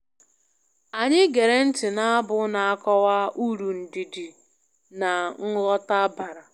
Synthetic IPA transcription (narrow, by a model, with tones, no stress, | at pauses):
a˨ɲɪ˦ɡe˨ɾe˨n̩˦tɪ˨na˦a˦bʊ˦na˨a˦kɔ˦wa˦u˦ɾu˨n̩˨di˨di˨ | na˨ŋ̩˦ɣɔ˦ta˦ba˨ɾa˨